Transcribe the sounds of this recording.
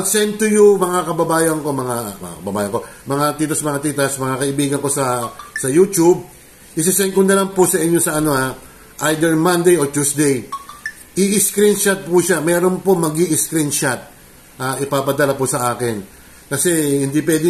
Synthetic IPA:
t̪sɛnt̪ʊjumɐŋakɐbɐbaːjɐŋko̞mɐŋamɐ̰ŋa̰kɐbɐbaːjɐŋkomɐŋat̪iːt̪ɐsmɐŋat̪it̪ɐsmɐŋakɐʔɪbiːɡɐŋko̞sɐsɐjut͡ʃub̚ | ʔɪs̬ɪsɛnkʊnɐlaŋpʊsɐʔɪɲːo̞sɐɐno̞a | ʔajd̪ɛɹmɐnd̪ejoɹt̪usd̪ɛj | ʔɪʔɪskɾinʃat̪̚puʃamɛːɾo̞npomɐɡiʔɪskɾinʃat̪̚ | ʔaʔɪpapɐd̪ɐlapʊsɐʔaːkɪn | kɐsɛhɪnd̪ip̬wɛd̪ɪ

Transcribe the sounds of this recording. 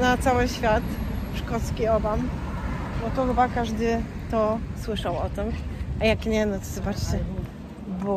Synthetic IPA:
nat̪sawɘɕfʲjat̪ʂkɔt̪skʲiɔbam | bɔt̪ɔxɘbakaʐd̪ɘ | t̪ɔswɘʂawɔt̪ɛmajakɲɛnɔt̪zvat͡ɕɛ | bɔ

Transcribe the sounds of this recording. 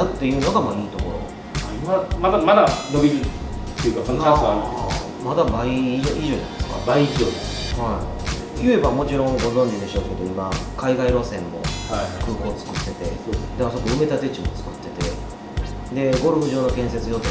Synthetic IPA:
t̪ːe̞jɯ̟ːno̞ɡamaiːt̪o̞ko̞̰ɾo̞̰ | imamad̪amad̪ano̞bʲiɡʲit̪ːeɯ̟kaaaa | mad̪abaioiʑoːnã̰nd̪esɨ̥ka̰baiioːd̪es | haḭ | jɯ̟e̞bamo̞t͡ɕiɾõ̞ŋɡo̞zõ̞ɲ̟d͡ʑid̪e̞ɕo̞ːke̞d̪o̞imakaiɡaiɾo̞ːsẽ̞mːo̞̰akɯ̟ːko̞ːt͡sɨ̥kɯ̟se̞t̪e̞sosd̪aaso̞koɯ̟me̞t̪at̪e̞t͡ɕimo̞t͡sɨ̥kɯ̟̥t̪ːe̞t̪e̞ | d̪e̞ɡo̞ɾɯbɯ̟ʑo̞ːno̞kẽ̞ɰ̃se̞t͡sɨjo̞t̪e

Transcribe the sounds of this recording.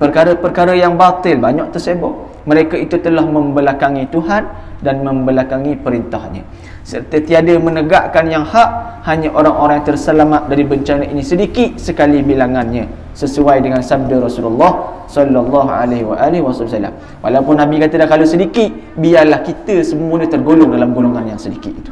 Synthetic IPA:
pərkaɾəpərkaɾəjaŋbat̪ɪlbaɲɔʔt̪ərsebɔ̰ʔ̚ | məɾekait̪ut̪əlahməmbəlakaŋit̪uɦan | danmə̃mbəlakaŋipəɾint̪ahɲə̰̃ | sərt̪ət̪iadəmənəɡaʔkanjaŋhaʔ | haɲaʔoɾaŋoɾaŋt̪ərsəlamat̪̚daɾibəɲt͡ʃanaʔinĩsədikɪt̪̚səkalibilaŋanɲə̃ | səsuajdəŋansab̚daɾɔsululːɑh | sɔlːɔlːɑɦa̰lahwa̰ʔalihwasɑbsalːa̰m | wʔa̰lawpʊnːãbikat̪ədakalosədikɪt̪̚ | biarlahkit̪əsəmuəɲãt̪ərɡolɔŋdalamɡoloŋanjaŋsədikit̪̚it̪u̥

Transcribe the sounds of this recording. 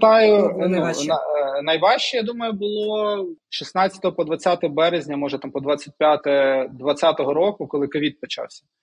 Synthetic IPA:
t̪ɑjʊnunɐnɐjʋɑʃt͡ʃɛjad̪umɐjʊbʊlˠɔɔʃisnɑt͡sʲːɐ̥t̪ɔɦɔpɔd̪ʋɐt͡sʲːat̪ɔɦɔbɛɾezʲnʲɐmɔʒɛt̪ampɔd̪ʋat͡sʲːɐt̚ʲpʲjat̪ɛd̪ʋɐt͡sʲːat̪ɔɦɔɾɔkʊkɔlˠɪkɐʋʲid̪̚pɔt͡ʃɑ̰wsʲɐ̥

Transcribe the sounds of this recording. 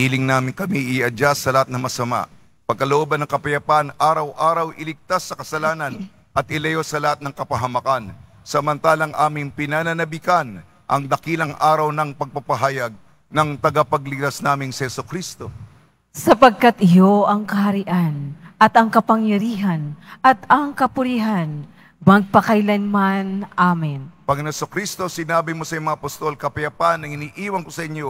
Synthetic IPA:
iːlɪŋnaːmɪŋkɐmiʔɪɐd͡ʒasːɐlɐhat̪nɐŋmɐsɐma̰ | pɐɡ̚kɐloʔobɐnːɐŋkɐpɐjɐpanʔaːɾɐwʔaːɾɐwʔɪlɪɡ̚t̪asːɐkɐsɐlaːnɐn | ʔɐt̪̚ʔɪlɐjo̞sɐlɐhat̪̚nɐŋkɐpɐɦɐmɐkan | sɐmɐnt̪aːlɐŋʔaːmɪŋpɪnanɐnɐbikan | ʔɐ̰ŋd̪ɐkilɐŋʔaːɾɐwnɐŋpɐɡ̚pɐpɐɦaːjɐɡ̚ | nɐŋt̪ɐɡapɐɡlɪt̪asnaːmɪŋsɐhɛsʊkɾist̪o̞ | sɐpɐɡ̚kat̪ʔɪjo̞ʔɐŋkɐɦɐɾɪʔanʔɐt̪ɐŋkɐpɐŋjɐɾiːɦɐnʔɐt̪ɐŋkɐpʊɾiɦan | mɐɡ̚pɐkɐjlɐnmanʔaːmɪnpɐŋɐnɛsokɾist̪o̞sɪnaːbimo̞sɐjmɐŋaɐpɐst̪o̞lkɐpɐjɐpanːɐŋɪniːʔiːwɐŋkosɐʔɪɲːo

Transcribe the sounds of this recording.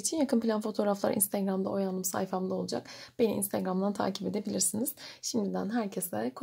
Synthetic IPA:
t͡ʃʰinjakʰɯnpilʲanfo̞t̪ʰo̞ːɾaflˠa̰ɾḭnst̪ʰeɡɾamd̪a̰ʔo̞janɯmsa̰jfamd̪ˠao̞lˠud͡ʒa̰kb̥e̞nḭḭnst̪ʰeɡɾamd̪ant̪ʰa̰ːcʰipe̞d̪e̞bilʲiɾsiniz̥ʃimd̪id̪ænɦæɾcʰɛsɛkʰ

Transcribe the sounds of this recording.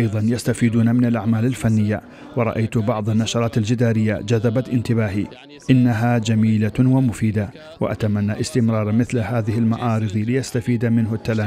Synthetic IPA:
ʔɑjðˤɑnjast̪afiːd̪uːnamɪnalʔaʕmaːlalfanːɪjːa | wɑɾˤɑ̰ʔajt̪bɑʕðˤɑnːaʃɑɾˤɑːt̪ald͡ʒɪd̪aːɾɪjːad͡ʒaðːabat̪ʔɪnt̪ɪbaːɦi | ʔɪnːaɦaːd͡ʒamiːlawamʊfiːd̪a | wa̰ʔa̰t̪amanːaʔɪst̪ɪmɾˤɑːɾˤmɪθlhaːðɪhɪlmaʔɑːɾɨðˤilɪjast̪afiːd̪amɪnɦʊt̪ːalaː

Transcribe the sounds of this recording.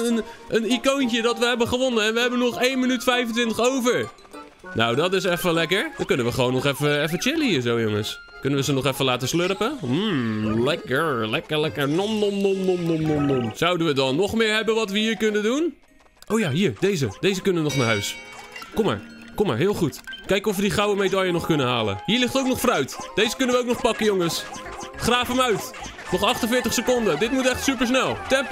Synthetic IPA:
ənʔənikowncədɑtʋəɦɛbəχəʋɔnəɛnʋəɦɛbənɔχejnmənytfɛjfəntʋɪntəχowvəɹ | nawdɑtɪs̬ɛfəlɛkəɹdɔkɵnənʋəχəʋownɔχɛfəɛf̬ət͡ʃɪləhiːɹzowjʊŋəs | kɵnənʋəzənɔχɛfəlaːtəsløɾəpəm̩lɛkəɹlɛkəɹlɛkəɹnɔmnomnomnomnomnomnomsawdənʋədɑnːɔχmɪːɹɦɛbənʋɑtʋəɦiːɹkɵnədun | ʔowjaːɦiːɹdejzəd̥ejzəkɵnəʋənɔχnaːɹɦœɥskoma̰ːɹkomaːɹɦɪːlˠχutkɛjkɔfʋədiχrawəmejdɔjənɔχkɵnəɦaːlə̰hiːɹlɪχtəowknɔχfrœɥtd̥ejzəkɵnəʋəowknɔχpɑkəjoŋəs | χraːfəmœɥt | nɔχɑχtənfɪːɹtəχsəkondədɪt̚mutɛχtsypəɹs̬nɛlˠtɛmp

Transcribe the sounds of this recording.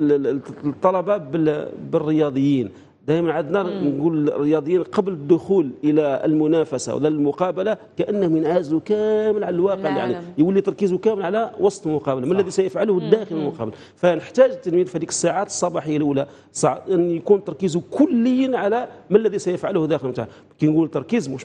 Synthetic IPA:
t̪ˤːɑlɑbɑbəbərːəjɑd̪ˤəjːin | d̪æʔmənʕad̪nænɡulrːəjɑd̪ˤəjːinqɑbləd̪ːʊxulʔəlæəlmʊnæfæsa̰w̰d̪æləlmʊqɑbəlakæʔənːəhʊmjənʕazukæməlʕalælwɑqəʕlja̰ʕnijwəlːit̪ɑɾˤkizukæməlʕalæwɑsˤt̪ˤlmʊqɑbəlamənlːæðisæjəfʕalʊhd̪ːæxələlmʊqɑ̰bəl | fænəħt̪æʒt̪ːəlmid̪fhæd̪ikə̥sːaʕat̪ə̥sˤːɑbɑħəjːalʔula | sˤʕʔənːjkunt̪ɑɾˤkizukʊlːəjːənʕalæməlːæðisæjəfʕalʊhd̪æxəlmt̪a̰h | kinɡult̪ːɑɾˤkizmuʃ

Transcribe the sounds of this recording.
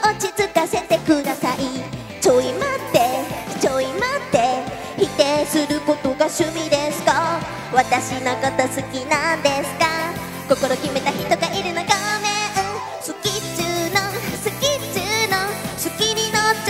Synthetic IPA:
ot͡ɕit͡sɨkase̞t̪e̞kɯ̟d̪asaʔi | t͡ɕo̞imat̪ːe̞t͡ɕo̞imat̪ːe̞ | çit̪e̞sɨɾɯ̟ko̞t̪o̞ɡaɕɨmʲid̪esɨ̥ka | βat̪aɕinokat̪asɨkʲinãnd̪e̞sɨ̥ka | ko̞ko̞ɾo̞kʲime̞t̪açit̪o̞ɡaʔiɾɯ̟noɡameɯ̃ | sɨkʲit͡ɕɨnosɨkʲit͡ɕɨnosɨkʲiɾʲino

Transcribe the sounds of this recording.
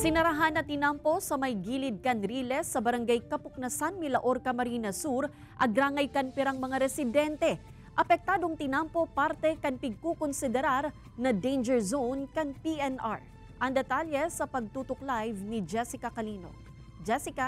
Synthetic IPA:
sɪnɐɾɐɦanːɐt̪ɪnampo̞sɐmɐjɡilɪd̪̚kɐnɾiːlɛsːɐbɐɾɐŋɡajkɐpʊk̚nɐsanmilɐʔoɾkɐmɐɾinɐsuɾ | ʔɐɡɾaːŋɐjkɐnpɛɾaŋmɐŋaɾɛsɪd̪ɛnt̪ɛ | ʔɐpɛk̚t̪aːd̪o̞ŋt̪ɪnampo̞paɾt̪ɛkɐŋpɪɡ̚kokonsɪd̪ɛɾaɾ | nɐd̪ejnd͡ʒɛɹzownkɐŋpiʔɛnʔaɹ | ʔɐŋd̪ɛt̪aljɛsɐpɐɡ̚t̪uːt̪oklajvnid͡ʒɛsɪkɐkɐliːno̞̰ | d͡ʒɛsɪka

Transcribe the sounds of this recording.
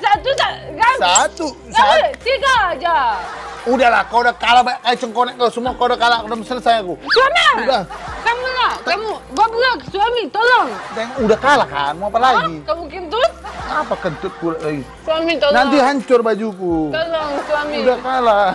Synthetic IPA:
sat̪usaɡasat̪u | sasikad͡ʒa | udahlakaudahkalabaat͡ʃəŋkonɛk̚kasəmuakaudahkalakdaməsələsajakusuamibakamulat̪amubablaksuamit̪olɔŋt̪aŋudahkalaka̰nmuapalaɡikamukɪnt̪uapakənt̪ʊt̪̚kuɾaʔlaɡi | suamit̪onant̪iɦaɲt͡ʃʊrbad͡ʒuk̬ut̪olɔŋsamiudahkala

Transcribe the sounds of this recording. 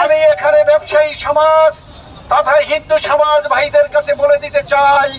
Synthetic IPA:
amiekʰanebɛbʃaiʃɔmad͡ʑ | t̪ɔt̪ʰaeɦind̪uʃɔmad͡ʑbʱajd̪eɾkat͡ɕʰeboled̪it̪et͡ɕaj

